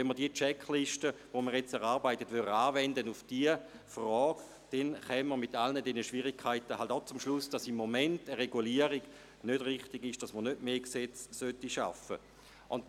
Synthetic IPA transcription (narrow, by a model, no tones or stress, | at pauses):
ɛnmːəʁdiət͡ʃɛkʰliʃtəʋoməʁjet͡sɛʁaʁbaɪtətʋyʁaːvɛndənufd̥iə | frɔːɡ̥ | d̥ɛnχɛmːəʁmitːalnədɛnəʃʋiʁikʰaɪtəhaltaʊt͡sumʃlʊsd̥asimːomɛntəʁeɡuliəʁiɡ̥ | nød̥ʁɪχtiɡɪʃd̥asməʁnødmeːkset͡ssøtːiʃa̰fə̰ | ʔʊnd